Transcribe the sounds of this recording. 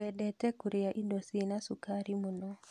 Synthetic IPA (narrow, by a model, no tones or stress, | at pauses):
ɛdɛtɛkuɾɛaʔindosinasukaɾimunɔ